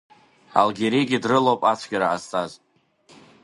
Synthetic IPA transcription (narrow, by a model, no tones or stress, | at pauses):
a̰lɡʲeɾiɡʲɪdrɨlowpʼat͡sʷʰɡʲaɾaastʰʼaz